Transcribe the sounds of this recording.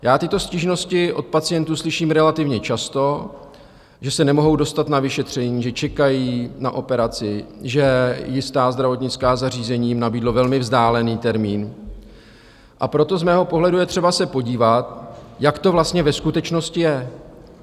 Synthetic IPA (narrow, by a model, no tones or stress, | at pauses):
jaːt̪ɪt̪o̞sciʒno̞scɪʔo̞t̪̚pat͡sɪjɛnt̪uːslɪʃiːmɾɛlat̪ɪvɲɛt͡ʃast̪o̞ | ʒɛsɛnɛmo̞ɦo̞wdo̞st̪at̪navɪʃɛt̪r̝̥ɛɲiːʒɛt͡ʃɛkajiːnaʔo̞pɛɾat͡sɪʒɛjɪst̪aːzd̪ɾavo̞t̪ɲɪt͡skaːzar̝iːzɛɲiːjmnabiːdlo̞vɛlmɪvzdaːlɛniːt̪ɛɾmiːn | ʔapɾo̞t̪o̞zmɛːɦo̞po̞ɦlɛdujɛt̪r̥ɛbasɛpo̞ɟiːvat̪jakt̪o̞vlast̪ɲɛvɛskut̪ɛt͡ʃno̞scɪjɛ